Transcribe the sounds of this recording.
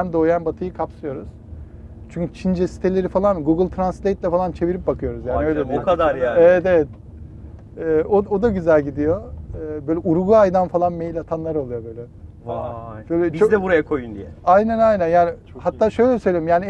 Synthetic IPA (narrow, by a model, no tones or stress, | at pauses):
ænd̪oːjanbat̪ʰɯjɯkʰapsɯjo̞ɾuz̥ | t͡ʃʰyɲʲcʰyt͡ʃʰind͡ʒɛsi̥t̪ʰelʲe̞ɾifalˠanɡuɡɯlˠʲt̪ʰɾanslʲejt̪lʲɛfalˠant͡ʃʰe̞viɾip̚bakʰɯjo̞ɾuzjaːniø̞jlʲed̪ead̪aɾevɛt̪evɛt̪̚ | ɛːood̪aɟyzælʲɟid̪ijo̞ːbøjlʲɛʔuɾɡuajd̪anfalˠanmejilʲat̪ʰanlˠaɾolˠujo̞bø̞jlʲɛ | bøjlʲɛt͡ʃʰd̪ɛbuɾajakʰojund̪ḭjɛajnænajnænjaːnɪ | hat̪ːaːʃø̞jlʲɛsø̞jlʲeɾimjaːni